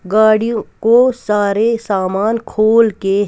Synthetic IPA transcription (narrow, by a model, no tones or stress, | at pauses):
ɡaːɽijõkosaːɾesaːmaːnkʰoːlke